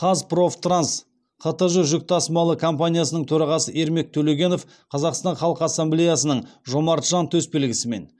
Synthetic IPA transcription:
qʰɑzpro̞ft̪rans | qʰət̪əʒəʒʏk̚t̪ʰɑsəmɑlˠəkʰo̞mpanʲijasənəɴt̪ʰɵɾɑʁɑsəʔe̞ɾme̞k̚t̪ʰɵleɡʲe̞no̞f | qʰɑzɑqst̪ɑnχɑlˠəqɑsːemble̞jasənəɴʒo̞mɑɾt̪ʒ̥ɑnt̪ʰɵsbe̞lɡʲɪsɪme̞̰n

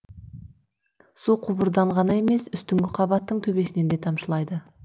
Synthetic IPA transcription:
suqʰʊbəɾd̪ɑɴʁɑnɑe̞me̞sʏst̪ɪŋɡʲɪqʰɑbɑt̪ːəɴt̪ʰɵbe̞sɪne̞nd̪e̞t̪ʰɑmʃəlˠɑjd̪ə

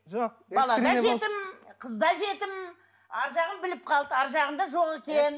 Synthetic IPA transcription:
ʒoq | bɑlˠɑd̪ɑʒe̞t̪ɪmqʰəzd̪ɑʒe̞t̪ɪm | ɑɾʒɑʁəmbɪlɪp̚qʰɑlˠd̪əɑɾʒɑʁənd̪ɑʒo̞ʁe̞kʲe̞n

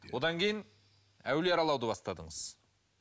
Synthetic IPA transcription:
wo̞d̪ɑŋkʲʰe̞jɪn | æ̰wleɑɾɑlˠɑwd̪əbɑst̪ɑd̪əɴəz̥

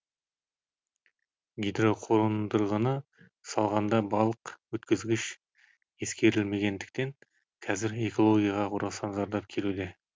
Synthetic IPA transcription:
ɡʲijd̪ɾo̞qʰo̞ɾənd̪əɾʁənə | sɑlˠʁɑnd̪ɑbɑlˠəqwɵt̪kʲɪzɡʲɪʃ | e̞skʲe̞ɾɪlme̞ɡʲe̞nd̪ɪk̚t̪e̞ŋ | kʰɑzɪɾe̞ko̞lˠo̞ɡʲijɑʁɑʁuɾɑsɑnzɑɾd̪ɑp̚kʲʰe̞lud̪e̞

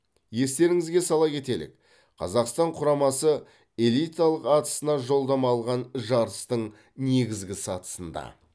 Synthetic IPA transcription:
je̞st̪e̞ɾɪŋɪzɡʲe̞sɑlˠɑkʲe̞t̪e̞lɪ̰k | qʰɑ̰zɑqst̪ɑɴqʰʊɾɑmɑsə | e̞lˠijt̪alˠəqɑt̪ə̥sənɑʒo̞lˠd̪ɑmɑlˠʁɑnʒɑɾəst̪əɴ | ne̞ɡʲɪzɡʲɪsɑt̪ə̥sənd̪ɑ̰

